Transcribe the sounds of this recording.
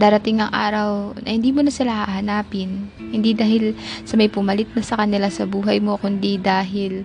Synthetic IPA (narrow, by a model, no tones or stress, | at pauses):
d̪aːɾɐt̪ɪŋːɐŋʔa̰ːɾɐwnɐhɪnd̪iːmonɐsɪlahahɐnaːpɪnhɪnd̪id̪aːhɪlsɐmɐjpʊmɐlɪt̪̚nɐsɐkɐnɪlasɐbuːɦɐjmo̞kʊnd̪id̪aːɦɪl